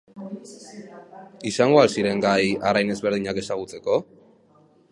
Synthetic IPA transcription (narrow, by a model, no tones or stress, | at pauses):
isaŋɡo̞asiɾe̞ŋɡajarajne̞zβe̞ɾð̞iɲakesaɣ̞ut͡se̞ko̞